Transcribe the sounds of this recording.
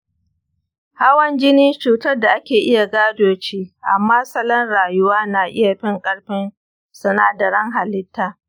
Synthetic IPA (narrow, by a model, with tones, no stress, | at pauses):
ha˦wɐ˦nd͡ʒɪ˦niː˦t͡ʃuː˨tɐ˦rda˨ʔa˦kʲeː˨ʔɪ˦ja˨ɡaː˦doː˨t͡ʃiː˦ʔa˨mːaː˦sɐ˦lɐ˦nɽaː˨jʊ˦waː˦naː˨ʔɪ̰˦ja˨ɸɪ˦ŋkʼɐ˦ɽɸɪ˦n | sɐ˨naː˦dɐ˨ɾɐ˦ŋɦa˨lɪ˦tːaː˦